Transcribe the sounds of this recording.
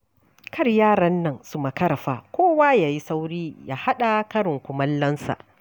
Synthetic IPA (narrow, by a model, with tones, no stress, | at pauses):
kʰɐ˦˨rjaː˦˨ɾɐ˦nːɐ˨ŋsu˦mɐ˨kɐ˦ɾɐ˨ɸaː˨kʷoː˦waː˦jaː˨ji˦sa˦wɽiː˦ja̰ː˦ha˦ɗa˨kɐ˦ɽɪ˨ŋkʷʊ˨mɐ˦lːɐ˦nsa̰˨ʔ